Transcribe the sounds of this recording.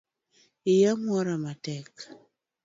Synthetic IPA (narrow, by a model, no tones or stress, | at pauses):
ijaŋwɔɾamatɛk